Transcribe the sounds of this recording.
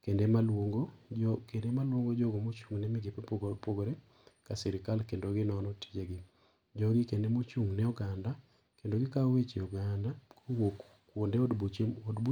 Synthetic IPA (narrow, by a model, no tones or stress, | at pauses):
kendemalwoŋɡoɔkendemalwoŋɡod͡ʒɔɡomot͡ʃuŋnɛmɪɡepepɡpoɡoɾe | kasɛɾɪkalkendoɡɪnɔnɔti̥d͡ʒeɡɪ | d͡ʒɔɡikendemot͡ʃuŋnɛuɡanda | kendoɡɪkawet͡ʃeuɡandakwok | kwondedbuodbu